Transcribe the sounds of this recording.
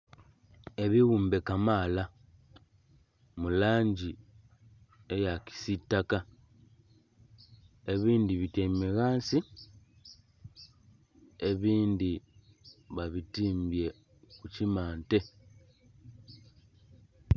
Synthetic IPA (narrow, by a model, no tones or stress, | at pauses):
e̞βiɣuːmbe̞kamaːla | mulaːɲɟi | ejaki̥sitːaka | e̞βiːndiβitemiɣaːnsi | e̞βiːndi | βaβitiːmbje̞ | kucimaːnte̞